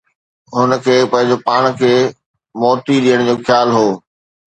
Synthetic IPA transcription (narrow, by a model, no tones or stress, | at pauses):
ɦʊnə̆kʰeːpɐ̃ɦɪ̃ɲd͡ʑopaːɽ̃kʰeː | mɔːt̪iɗijəɽ̃d͡ʑoːxʰjaːlɦoː